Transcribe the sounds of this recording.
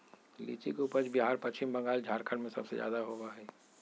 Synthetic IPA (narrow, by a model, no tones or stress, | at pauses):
lḭːt͡ʃikuːpət͡ʃbiɦaːɾpɐt͡ʃɪmbɐ̃ŋɡaːld͡ʒʱaːɾkʰəɽmẽsɐbsḛzja̰ːd̪aɦobaɦɛː